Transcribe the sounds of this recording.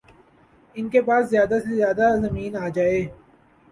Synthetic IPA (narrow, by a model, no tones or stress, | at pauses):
ɪnkepaːszjaːd̪asezjaːd̪azɐmiːnaːd͡ʒaːeː